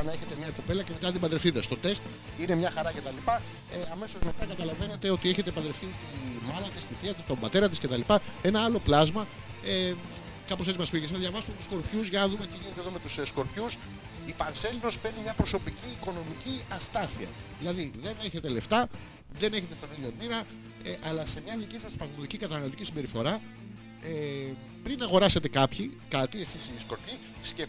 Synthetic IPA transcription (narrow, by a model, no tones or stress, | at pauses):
neçe̞t̪e̞mɲɐkope̞lɐcemet̪ɐt̪ibɐnd̪ɾefθit̪est̪o̞t̪e̞st̪ | ine̞mɲɐxɐɾɐce̞t̪ɐlipɐ | eɐme̞so̞zme̞t̪ɐkɐt̪ɐlɐve̞ne̞t̪e̞o̞t̪ie̞çet̪ebɐnd̪ɾe̞fθit̪imɐlɐt̪ist̪iθiɐt̪ist̪o̞mbɐt̪e̞ɾɐt̪̬isce̞t̪ɐlipɐe̞nɐɐlo̞plɐzmɐ | e | kɐpose̞tt͡simɐspiʝeɐðʝɐvɐsumet̪usko̞ɾpçuzʝɐnɐðumet̪iʝinet̪eðo̞me̞t̪ussko̞ɾpçus | ipɐnse̞lino̞sfe̞nimɲɐpɾo̞so̞piciːko̞no̞miciɐst̪ɐθiɐ̰ðilɐðiðe̞ne̞çe̞t̪e̞le̞ft̪ɐ | ðe̞ne̞çe̞t̪et̪ɐniʎomiɾɐ | ʔɐlɐse̞mɲɐðicisɐspɾɐɣnot̪icikɐt̪ɐnɐlo̞t̪icisimbe̞ɾifo̞ɾɐ | e | pɾinɐɣo̞ɾɐse̞t̪e̞kɐpçikɐt̪ie̞sisisko̞ɾpçi | sce